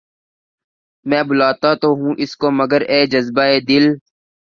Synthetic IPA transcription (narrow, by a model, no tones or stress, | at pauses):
mɛ̃ːbʊlaːt̪at̪oɦũːʔɪskoməɡəɾeːd͡ʒəzbaːeːd̪ɪl